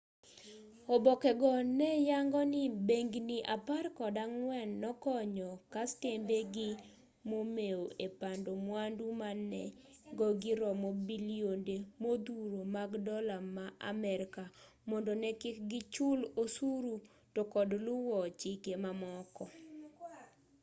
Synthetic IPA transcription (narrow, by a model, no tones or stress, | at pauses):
ɔbɔkɛɡɔnɛjaŋɡɔnɪbeŋɡniʔaparkɔdaŋwɛnːɔkɔɲɔkastembeɡɪ | momeoʔepandomwandumanɛ̰ɡɔɡɪɾɔmɔbiljondemod̪uɾomaɡdɔlamaʔa̰mɛɾka | mɔndɔnɛkɪkɡɪt͡ʃulosuɾu | tokɔdlʊwɔt͡ʃɪkemamɔkɔ